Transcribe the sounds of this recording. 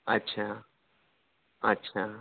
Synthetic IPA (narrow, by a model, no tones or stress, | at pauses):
ətːɕʰaː | ɐtːɕʰaː